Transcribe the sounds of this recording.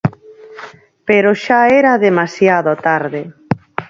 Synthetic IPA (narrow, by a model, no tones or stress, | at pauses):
peɾoʃaeɾaðemasjaðot̪aɾðe